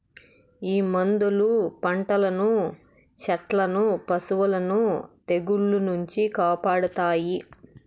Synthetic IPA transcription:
iːmɐnd̪ulupɐɳʈɐlɐnu | t͡ʃɐʈlɐnupɐsuʋulɐnut̪e̞ɡuɭːunuɲt͡ʃikaːpaːɽut̪aːji

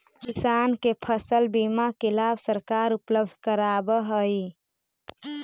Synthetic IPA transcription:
kisankepʰəsəlbimakelabʱsəɾkaɾupləbd̪ʱkəɾabəɦəj

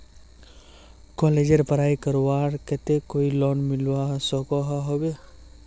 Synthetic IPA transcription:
kɔled͡ʒeɾpəɾajkəɾwaɾket̪ekoilɔnmilwasɔkɔɦɦɔbe

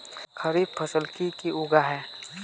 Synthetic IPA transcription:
xɐɾiːb̚pʰɐsəlkikiʊɡaɦɛː

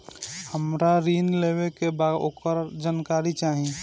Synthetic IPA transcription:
həmɾaɾinleβekebad̪o̰ːkəɾd͡ʒankaɾit͡ʃaɦi

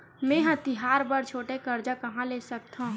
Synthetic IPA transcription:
mɛ̃ːɦãt̪ɪɦaːɾbəɾt͡ʃʰoːʈekɐɾd͡ʒakɐɦãleːsək̚t̪ɦã

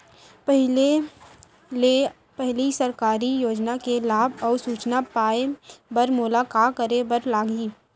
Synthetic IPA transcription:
pəɦe | le | pɛɦlisəɾkaːɾijoːd͡ʒnakelaːbɔːɾsuːt͡ʃnapaːebəɾmʊlaːkaːkəɾebəɾlaːɡiː

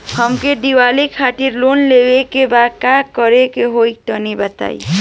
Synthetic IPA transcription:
həmkeɖiʋaːlikʰaːʈiɾloːnleːwekebaːd̪̚kaːkəɾekeɦoik̚t̪ɔnibət̪a̰ːḭ

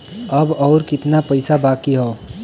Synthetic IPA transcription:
ɐbɔːɾkɪt̪napɐɪsabaːkiɦoː

